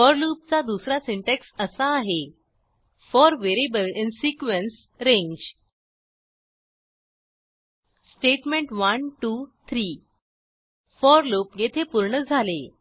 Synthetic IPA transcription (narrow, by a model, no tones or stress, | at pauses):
fɔɾluːp̚t͡sad̪usɾasiɳʈeksəsaːɦe | fɔɾʋeɾibəlinsikʋens | ɾẽɲd͡ʑ | sʈeʈmẽɳʈʋənʈut̪ʰɾiː | fɔɾloːpjet̪ʰepuɾɳəd͡zʱale